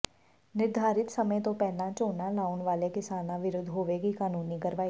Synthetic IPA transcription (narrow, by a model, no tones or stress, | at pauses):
nɪɾd̪ʱaːɾɪt̪səmə̃t̪õpɛːlãt͡ʃoːnãlaːʊnʋaːlekɪsaːnãʋɪɾod̪ʱɦoːʋeɡikaːnuːnikəɾʋaːi